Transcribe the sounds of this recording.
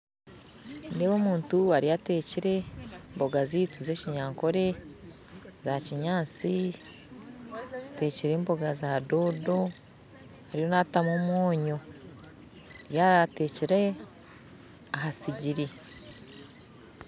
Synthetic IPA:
neβo̞ːmuːntuaɾijateːciɾe̞mbo̞ɡazituze̞ciɲaːŋko̞ɾe̞ | zaciɲaːnt͡si | te̞ːciɾe̞mbo̞ɡazado̞ːdo̞ | haɾijo̞natamomwoːɲo̞ | jaateːciɾe̞ | aɦasiɟiɾi

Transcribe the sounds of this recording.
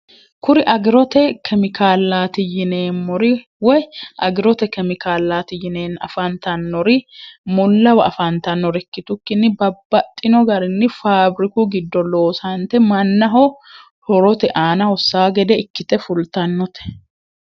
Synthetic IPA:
kʊɾɪʔɐɡɪɾɔt̪ɛkʰɛmɪkʰaːlːaːt̪ɪjɪneːnmɔɾɪ | wɔjʔɐɡɪɾɔt̪ɛkɛmɪkaːlːaːt̪ɪjɪneːnɐ̰fɐnt̪ɐnːɔɾɪmɔlːɐwɐɐfɐnt̪ɐnːɔɾɛkːɪt̪ʊkːɪnːɪbɐbːɐt̪ʼːɪnɔɡɐɾɪnːɪfaːbɾɪkuɡɪd̪ːɔlo̞ːsɐnt̪ɛmɐnːɐɦɔ | hɔɾɔt̪ɛʔaːnɐhɔsːaːɡɛd̪ɛɪkːɪt̪ɛfʊlt̪ɐnːɔt̪ɛ̥

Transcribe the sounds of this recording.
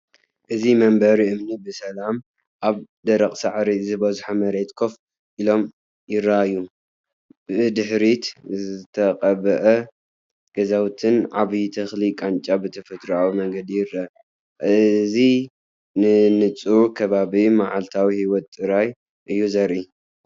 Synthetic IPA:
ʔɨzimɐmbɐɾiɨmnibɨsɐlam | ʔaβ | d̪ɐɾɐkʼsaʕɾizɨbɐzuħamɐɾet̪kʰo̞f | ʔilo̞m | jɪɾːaɨju | ɨd̪ɨħɾit̪zɨt̪ʰɐqʼɐβɐʔɐ | ɡ̥ɐzawt̪ʰɨnʕaβit̪ʰɐxlikʼant͡ʃʼabɨt̪ʰɐfɐt̪ɾuawimɐŋɡɐd̪ijɪɾa | ɨɨzi | nɨnɨt͡sʼukʰɐβaβimaʕalt̪ʰawihiwɔt̪ʼːɨɾaj | ʔɨjːuzɐɾʔi

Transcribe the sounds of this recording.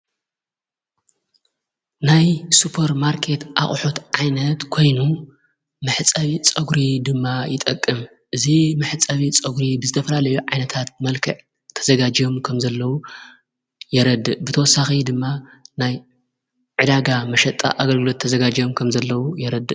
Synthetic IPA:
najsupʰɐɾmaɾkʰe̞t̪ʔa̰χʼħut̪ʕajnɐt̪kʰo̞jnu | mɨħt͡sʼɐβit͡sʼɐɡɾid̪ɨmːajɪt̪ʼɐkʼːɨm | ʔɨzimɨħt͡sʼɐβit͡sʼɐɡɾibɨzɨt̪ʰɐfɐlalɐjuʕajnɐt̪ʰat̪̚mɐlkʰɐʕ | t̪ʰːɐzɐɡad͡ʒiomkʰɐmzɐlːɐwu | jɛɾɐd̪ːɨʔbɨt̪ʰɐwɔsːaxid̪ɨmːanaj | ʕɨd̪aɡamɐʃɐt̪ʼa̰ʔaɡɐlɡɨlo̞t̪ʰːɐzɐɡad͡ʒijomkʰɐmzɐlːɐwujɛɾɐd̪ɨ

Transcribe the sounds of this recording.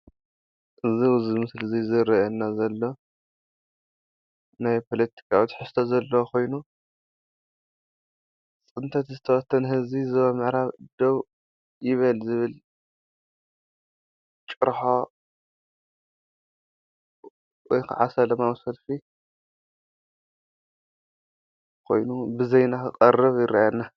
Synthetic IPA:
ʔɨziwzmɨslɨzizɨɾɐʔɛnːazɐlːo̞ | najpʰo̞lɐt̪ʰi̥kʰawit̪ħɨst̪ʰozɐlːɐkʰo̞jnu | t͡sʼɨnt̪ʰɐt̪zɨt̪ʰɐwɐt̪ʰːɐnhɨzizɐβɐmɨʕɾaβd̪̥oβ | jɪβɐlzɨβɨl | t͡ʃʼɨɾħo | wɔjkʰɨ̰ʕa̰sɐlɐmawsɐlfi | kʰo̞̰jnubɨzejnakʰɨkʼɐrːɨβjɪɾajanːa

